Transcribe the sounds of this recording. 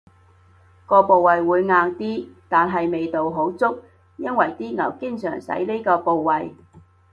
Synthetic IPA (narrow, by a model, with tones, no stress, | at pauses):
kɔː˧po˨wwɐ˨jwuː˨˧jŋaː˧ŋt̪iː˥t̪aː˨nɦɐ˨jme˨jt̪o˨wɦo˨˥wt͡sʊ˥k̚ | jɐ˥nwɐ˨˩jt̪iː˥ŋɐ˨˩wkɪ˥ŋsœː˨˩ŋsɐ̰˨˥jli˥kɔː˧po˨wːɐ˨j